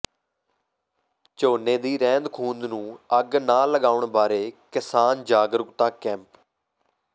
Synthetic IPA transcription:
t͡ʃoːneːd̪iːɾɛ̃ːnd̪kʰũːnd̪nũːəɡnaːləɡaːʊɳbaːɾeːkɪsaːnd͡ʒaːɡɾəkt̪aːkɛ̃ːmp

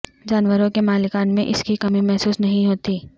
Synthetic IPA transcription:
d͡ʒaːnwəɾõkemaːlɪkaːnmẽʔɪskikɐmĩmɛɦsuːsnɐɦĩɦoːt̪iː

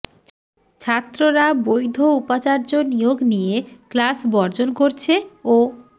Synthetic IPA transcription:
t͡ɕʰat̪ːɾoɾabojd̪ʱoupat͡ɕaɾd͡ʑonijoɡnijeklasbɔɾd͡ʑonkoɾt͡ɕʰeo

